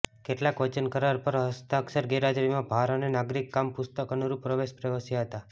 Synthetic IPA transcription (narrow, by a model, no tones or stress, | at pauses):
keʈlakʋət͡ʃənkəɾaɾpəɾɦəst̪əəksəɾɡeɾad͡ʒɾimãbʱaɾonenaɡɾikːampʊst̪əkənuɾupɾəʋeʃpɾəʋəsjəɦət̪a